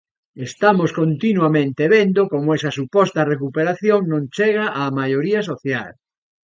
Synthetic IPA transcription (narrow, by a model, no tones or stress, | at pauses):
est̪amoskont̪inwamẽnt̪eβend̪okomoɛsɐsupɔst̪ɐrekupeɾaθjoŋnõnt͡ʃeɣ̞aʔaːmajoɾiɐs̬oθja̰l